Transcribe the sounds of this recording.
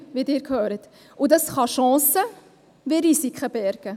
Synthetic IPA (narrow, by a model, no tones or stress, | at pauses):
ʋiːdɪːɾkhøːɾət | ʔʊdɑsχɑʃɑ̃ːsə | viːɾisikχəbɛɾkə